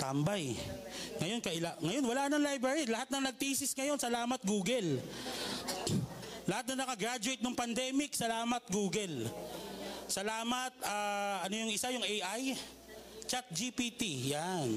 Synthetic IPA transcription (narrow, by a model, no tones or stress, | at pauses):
t̪ambaj | ŋɐjo̞nkɐʔɪlaŋɐjo̞nwɐlanɐŋlajbɹɐɹilɐhat̪̚nɐŋnɐɡ̚t̪ɪʔisɪsŋɐjo̞nsɐlaːmɐt̪̚ɡuːɡɛl | lɐhat̪̚nɐnɐkɐɡɾad͡ʒʊejt̪̚nɐŋpɐnd̪ɛːmɪksɐlaːmɐt̪̚ɡuːɡɛl | sɐlaːmɐt̪̚aːʔɐno̞jʊŋʔɪsajʊŋejʔaj | t͡ʃat̪̚d͡ʒipit̪ijan